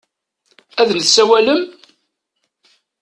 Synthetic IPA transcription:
æðnθsæwæləm

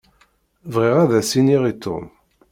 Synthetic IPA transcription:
vʁiʁæðæsiniʁit̪ːʊ̰m

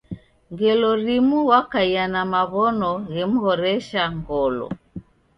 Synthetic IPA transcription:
ŋɡɛlɔɾimuwakaianamaβɔnɔɣɛmuhɔɾɛʃaŋɡɔlɔ̰

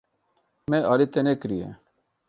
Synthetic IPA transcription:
meɑːlit̪enekɾijḛ

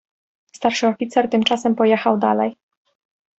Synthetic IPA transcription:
st̪aɾʂɘɔfʲit̪sɛɾt̪ɘmt͡ʂasɛmpɔjɛxawd̪a̰lɛj

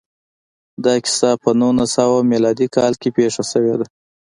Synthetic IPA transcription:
d̪ɑkɪ̥sɑpənunasawamelɑd̪ikʰɑlkepeʂasəwed̪a

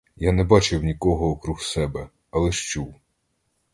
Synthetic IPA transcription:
janɛbɑt͡ʃɪwnʲikɔɦɔːkɾuxsɛbɛ | ɐlˠɛʃt͡ʃuw

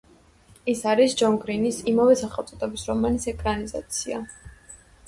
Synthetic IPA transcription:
ɛsaɾisd͡ʒɔŋɡɾinisimavɛsaχɛlˠt̪ʼɔt̪ʼɛbisɾɔmanisɛkʼɾaniza̰t̪sʰia̰

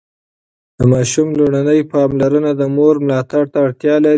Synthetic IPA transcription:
d̪̥əmɑʃumloɽanəjpɑmlaɾənad̪əmoɾmlɑt̪aɽt̪aːɽt̪jɑlaɾi

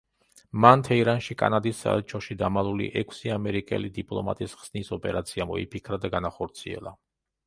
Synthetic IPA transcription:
mant̪ʰɛiɾanʃikʼa̰nad̪isːa̰ɛlt͡ʃʰɔʃid̪amalˠulḭʔɛkʰsiamɛɾikʼɛ̰lid̪ipʼlˠɔ̰ma̰t̪ʼisʁz̥nisɔpʼɛɾat̪sʰiamɔḭpʰikʰɾad̪aɡanaχɔɾt̪sʰiɛ̰lˠa̰

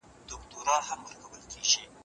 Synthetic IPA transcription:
d̪̥ʊkt̪oɾɑnhamwəɾkɐwəlkʰiːʒi

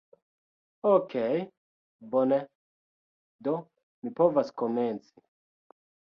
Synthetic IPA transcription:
okʰej | bonɛ | d̪o | mipovaskomɛnsi̥

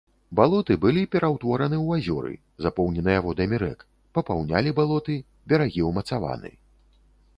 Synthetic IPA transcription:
balˠɔt̪ɨbɨlʲipʲɛɾʔawt̪vɔɾɐnɨwazʲɔɾɨ̰ | zapɔwnʲɛnɨjaɣɔd̪ɐmʲiɾɛ̰k | pɐpawnʲa̰lʲibalˠɔt̪ɨ | bʲɐɾaɣʲiwmɐt̪sava̰nɨ̰

